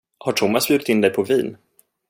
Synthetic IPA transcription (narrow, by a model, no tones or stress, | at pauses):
haʈʰʊmːasbjʉːɾɪt̪ɪnd̪ɛjpʰɔviːn